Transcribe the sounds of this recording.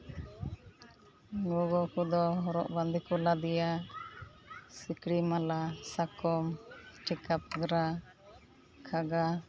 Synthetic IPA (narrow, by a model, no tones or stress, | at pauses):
ɡɔɡɔkud̪ɔɦɔɾɔʔband̪ʱikɔlad̪ija | sikɽimalasakɔmʈikap̚ɡɾa | kʰaɡa